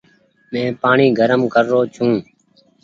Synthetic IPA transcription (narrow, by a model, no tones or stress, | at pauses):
mɛ̃ːpaːɳiːɡʱəɾəmkʰəɾːoːt͡ʃʰũː